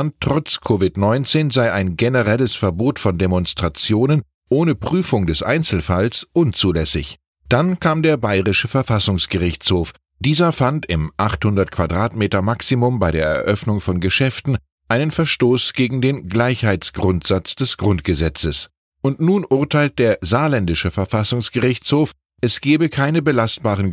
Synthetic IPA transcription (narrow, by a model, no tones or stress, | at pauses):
antʁ̥ɔt͡skʰovɪtnɔʏnt͡seːnzaɪaɪnɡenəʁɛləsfɛɐboːtfɔndemɔnstʁ̥at͡sjoːnən | ʔoːnəpʁ̥yːfʊŋdɛsʔaɪnt͡sl̩falsʔʊnt͡suːlɛsɪ̰ç | d̥ankʰaːmdeːɐbaɪʁɪʃəfɛɐfasʊŋsɡ̥əʁɪçt͡shoːf | d̥iːzɐfantɪmʔaχthʊndɐtkv̥adʁaːtmeːtɐmaksimʊmbaɪɾeːɐɛ̰ɐʔœfnʊŋfɔnɡəʃɛftn̩ | ʔaɪnənfɛɐʃtoːsɡ̥eːɡŋ̩deːnɡlaɪçhaɪt͡sɡ̥ʁʊntz̥at͡sd̥ɛsɡ̥ʁʊntɡ̥əzɛt͡səs | ʊntnuːnʔʊɐtʰaɪlt̚d̥eːɐzaːlɛndɪʃəfɛɐfasʊŋsɡ̥əʁɪçt͡shoːf | ʔɛsɡ̥ɛːbəkʰaɪnəbəlast̚b̥aːʁən